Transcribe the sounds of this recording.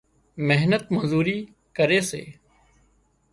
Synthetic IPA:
meɦnət̪mənzuːɾiː | kəɾeːsḛː

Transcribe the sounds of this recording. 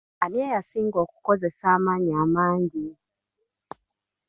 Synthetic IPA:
aniɛjasiŋɡɔku̥kɔzɛsamaɲamaɲd͡ʒi

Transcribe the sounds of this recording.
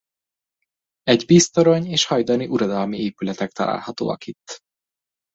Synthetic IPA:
ɛɟbiːst̪o̞ɾoɲeːʃhɒjd̪ɒniʔuɾɒd̪ɒlmieːpylɛt̪ɛk̚t̪ɒla̰ːlhɒt̪o̰ːɒ̰kit̪ː

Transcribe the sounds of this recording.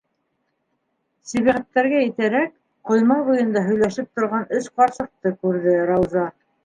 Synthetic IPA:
sæβiʁæt̪ːæɾɡæɘt̪æɾæk̚ | qŏjmɑβujɤ̆nd̪ɑɦɵ̆jlæʃɘp̚t̪ŏɾʁɑnɵʃqɑɾsɤ̆q̚t̪ɤkʉɾðɘɾɑwzɑ

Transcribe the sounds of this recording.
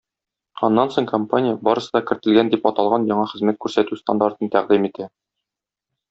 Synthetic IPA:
ɒnːɑnsoɴkompanʲɪjəbɒɾɤ̆sɤ̆d̪ɑkɘ̆ɾt̪ɘ̆lɡænd̪ipɒt̪ɑlˠʁɑnjɒɴɑχɘ̆zmæt̪̚kʉɾsæt̪ʉst̪and̪aɾt̪ɤnt̪æʁd̪imit̪æ

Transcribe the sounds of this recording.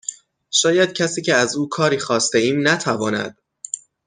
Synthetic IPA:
ʃɒːjæd̪̥̚cʰæsiːcʰeæzuːkʰɒːɾiːxɒːst̪e̞iːmnæt̪ʰævɒːnæ̰d̪̥

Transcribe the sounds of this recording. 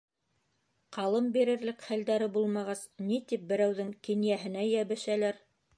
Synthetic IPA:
qʰɑlˠɤmbiɾɘ̆ɾlɘkχæld̪æɾɘbulˠmɑʁɑsnit̪ip̚bɘ̆ɾæwðɘŋkinjæɦɘ̆næjæβɘ̆ʃælæɾ

